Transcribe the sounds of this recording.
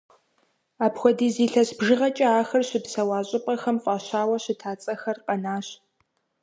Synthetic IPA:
aːpxʷɔdiːziːɬɐɕbʒɨʁɐt͡ʃʼɐaːxɐrɕɪpsɐwaːɕʼɪpʼɐxɐmfʼaːɕaːwɐɕɪtʰaːt͡sʼɐxɐrqɐnaːɕ

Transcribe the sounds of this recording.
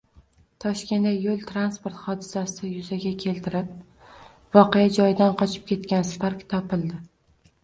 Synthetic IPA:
t̪ʰɒʃkʲe̞nd̪ajolˠt̪ʰɾanspoɾt̪χɒd̪ɪsasɪjʊzaɡʲakʲʰe̞lt̪ʰɪɾɪp̚ | vɒqejad͡ʒɒjd̪anqʰɒt͡ʃʰɪ̥p̚kʲʰe̞t̪kʲansɪ̥faɾkʲt̪ʰɒpɪlˠd̪ɪ

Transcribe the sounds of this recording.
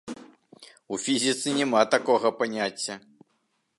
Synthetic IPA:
ufʲizʲit̪sɨnʲɛmat̪akɔɣɐpanʲat͡sʲːɐ

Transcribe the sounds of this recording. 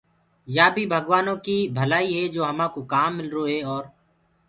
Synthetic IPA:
jaːbʱiːbʱəɡʋaːnõːkiːbʱəlaːiːɦeːd͡ʒoːɦəmãːkoːkaːmːɪlɾoːɦeːɔːɾ

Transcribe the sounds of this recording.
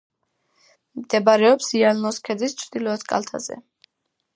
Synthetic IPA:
md̪̥ɛbaɾɛɔpsialnɔskʰɛd̪zist͡ʃʰd̪ilɔɛt̪kʼa̰lt̪ʰa̰zɛ̰

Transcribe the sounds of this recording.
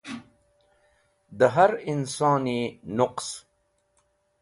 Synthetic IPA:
d̪əɦaɾɪnsɑːninʊqs

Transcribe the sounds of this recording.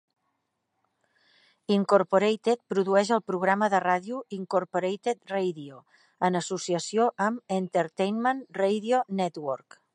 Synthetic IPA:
iŋkuɾpuɾejt̪et̪̚pɾuðuɛʃəlˠpɾuɣ̞ɾaməðəraðiuiŋkoɾpoɾejt̪et̪rejðio | ənəsusiəsioʔəment̪əɾt̪ejnmənrejðionɛt̪wɔɾk

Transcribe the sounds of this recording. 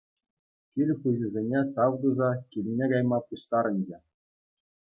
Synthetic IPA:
kʲilʲχɯʑɘ̆zʲenʲet̪ɑwd̪uzɑkʲilʲnʲeɡɑjmɑpuɕt̪ɑɾɘ̆nʲd͡ʑĕ

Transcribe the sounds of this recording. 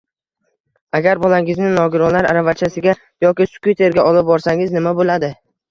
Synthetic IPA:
aɡʲaɾbɒlˠaŋɪznɪnɒɡʲɪɾɒnlaɾa̰ɾavat͡ʃʰasɪɡʲa | jɒkʲɪsʊ̥kʲut̪ʰe̞ɾɡʲaɒlˠɪp̚bɒɾsaŋɪznɪmabolad̪ɪ

